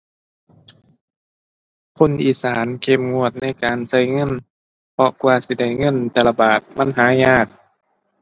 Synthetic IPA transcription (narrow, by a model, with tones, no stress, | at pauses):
kʰo˧˥˨nʔiː˨˩saː˨˦nkʰe˧mŋu˧˩ət̪̚na˧˥˨jkaː˨˩nsa˧˥˨jŋɤ˧˥˨n | pʰɔ˧kwaː˧˩si˧˦da˧˩jŋɤ˧˥˨nt̪ɛː˧la˧baː˨˩t̪̚ma˧˥˨nɦaː˨˦ɲaː˧˩t̪̚